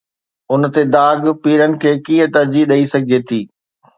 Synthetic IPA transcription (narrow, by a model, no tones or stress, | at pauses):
ʊnt̪ed̪aːɡpiːɾənɪ̆kʰeːkĩːə̃t̪ɐɾd͡ʑiɗɐisɐɡʱɪd͡ʑet̪ʰiː